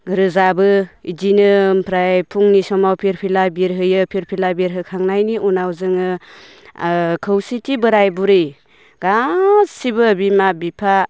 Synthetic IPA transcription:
ɾɯzabɯid͡ʒinɯmpʰɾajpʰuŋnisɔmawpʰiɾpʰilabiɾɦɯjɯpʰiɾpʰilabiɾɦɯkʰaŋnajniʔunawzɯŋɯ | kʰɯwsitʰibɯɾajbuɾɯj | ɡ̥assibɯbimabipʰa

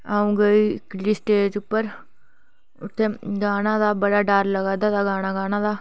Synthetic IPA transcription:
aːũːɡəiːɪkliːsʈeːd͡ʒʊpːəɾ | ʊt̪ʰːeːɡaːnãːd̪aːbəɽaːɖaːɾləɡaːd̪aːd̪aːɡaːnaːɡaːnãːd̪aː

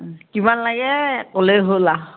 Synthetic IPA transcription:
kimanlaɡɛkoleɦola

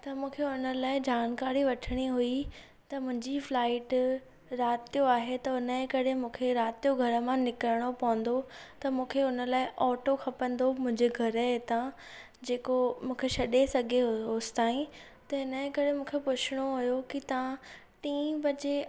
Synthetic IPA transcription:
t̪ɐmũːkʰeʊnəlaːɪd͡ʑaːnkaːɾiʋɐʈʰəɽ̃iɦui | t̪ɐmʊ̃ɦɪ̃ɲd͡ʑiflaːɪʈ | ɾaːt̪ijoaːɦet̪ɐʊnəkɐɾemũːkʰeɾaːt̪ijoɡʱɐɾə̆mãnɪkəɾəɽ̃opɐʋə̃n̆d̪ot̪ɐmũːkʰeʊnə̆laːɪʔɔːʈoxʰɐpə̃nd̪omʊ̃ɦɪ̃ɲd͡ʑeɡʱɐɾəɦet̪ã | d͡ʑeːkomũːkʰeʃɐɗesɐɡʱeɦoːst̪aːĩ | t̪ɐɦɪnəkɐɾemũːkʰepʊt͡ɕʰɪɽ̃oɦujokit̪ɐʋã | ʈiːmbɐd͡ʑe

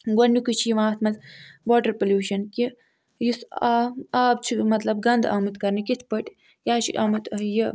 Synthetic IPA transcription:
ɡɐnukit͡ʃʰijiʋãːt̪mɐzʋoːʈɐɾpɐlʲjuːʃɐnki | jisaaːb̚t͡ʃʰimɐt̪lɐb̚ɡɐnd̪aːmɨt̪kɐɾnikit̪ʰpɐʈʲ | jaːt͡ʃʰḭʔaːmɨt̪ji

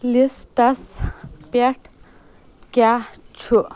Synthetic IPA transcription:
lisʈɐspeʈ | kat͡ʃʰu

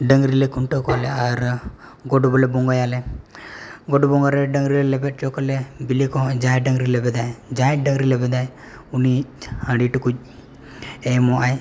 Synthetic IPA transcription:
ɖəŋɡɾilekuɳʈəkɔleaɾɡoɖublebuŋɡajale | ɡoɖubuŋɡaɾeɖəŋɡɾilelepeʈ̚t͡ʃɔkɔlebilikɔd͡ʒajɖəŋɡɾilebɛd̪ajd͡ʒajɖəŋɡɾilebɛd̪aj | unihə̃ɽiʈuku | emɔaj

